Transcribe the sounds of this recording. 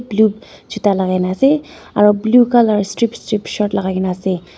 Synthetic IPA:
blub | d͡ʒʰutalaɡajnase | aɹɔblukalaɹɔstɹipstɹipʃɔtlaɡaɡinase

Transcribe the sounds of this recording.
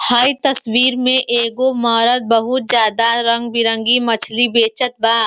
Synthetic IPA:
haːit̪ɐswiːɾmẽʔeːɡomɔːɾəd̪̚bɐɦʊt̪̚d͡ʒjaːd̪aɾɐ̃ŋɡbɪɾə̃ŋɡimɐt͡ʃʰlibeːt͡ʃət̪̚baː

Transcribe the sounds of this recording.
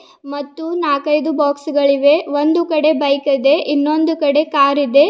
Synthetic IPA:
mɐt̪ːunaːkɐjd̪ubaːksɡɐɭiʋe̞ʋond̪ukɐɽe̞bɐjkɐd̪e̞ʔinːo̞nd̪ukɐɽe̞kaːɾid̪e̞

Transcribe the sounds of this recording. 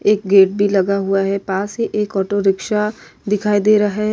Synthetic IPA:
eːk̚ɡeːʈ̚bʱilɐɡaɦuaɦɛpaːsɦeʔeːkɔːʈoɾɪkʃad̪ɪkʰaːid̪eːɾɐɦa

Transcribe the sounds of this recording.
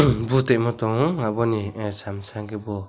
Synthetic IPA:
but̪emɔt̪ɔŋabɔnisamsaŋkebɔ

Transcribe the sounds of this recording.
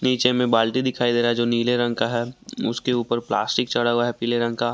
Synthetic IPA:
niːt͡ʃemẽbaːlʈid̪ɪkʰaːid̪eːɾaɦɛd͡ʒoːniːleɾɐ̃ŋkaɦɛːʊskeuːpəɾpla̰ːsʈɪk̚t͡ʃɐɽaɦʊaɦɛpiːleɾɐ̃ŋkaː

